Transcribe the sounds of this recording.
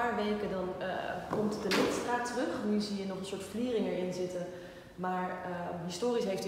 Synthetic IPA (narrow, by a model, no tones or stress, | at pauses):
aːɹʋejkədɑnkɔmtdəmɪstraːtərɵχnyziənɔχənsʊːɹtfliːrɪŋɛɹɪnzɪtən | maːɹɦɪstoːrisɦejft